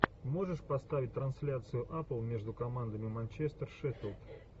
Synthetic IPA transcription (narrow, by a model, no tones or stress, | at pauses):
mo̞ʐɨʂpɐst̪avʲɪt̚ʲt̪ɾɐnsʲlʲat̪sɨjʊʔaplˠmʲe̞ʐd̪ʊkɐmand̪əmʲɪmɐnʲt͡ɕest̪ərʂɛfʲɪlˠt̪